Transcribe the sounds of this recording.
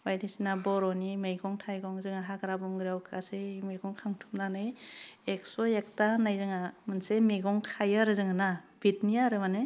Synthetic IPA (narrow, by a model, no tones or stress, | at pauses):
wajdisinabɔɾɔnimejɡɔŋtʰajɡɔŋzɯŋaɦakɾabɔŋɡɾiawkʰasemeɡɔŋkʰaŋtʰumnanɯjeksɔjak̚tanajzɯŋamɯnsemeɡɔŋkʰajaɾɯzɯŋanabitnijaɾɯmanɯ